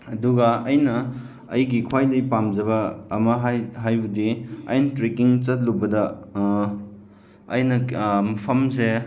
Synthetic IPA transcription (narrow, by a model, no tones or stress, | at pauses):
ɐduɡɐɐjnɐː | jɡikʰwajdɐjpamd͡ʒɐβɐːmɐɦajɦajbudiɐ̰jnɐtɾekiŋt͡ʃɐt̚lubɐdɐ | jnɐmɐpʰɐmse